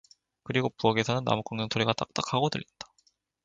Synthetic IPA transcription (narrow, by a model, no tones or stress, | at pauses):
kɯɾiɡopuʌɡe̞sʰʌnɯnːa̰muk͈ʌŋɲʌŋtʰoɾiɡat͈ak̚t͈akʰaɡotɯɭːinda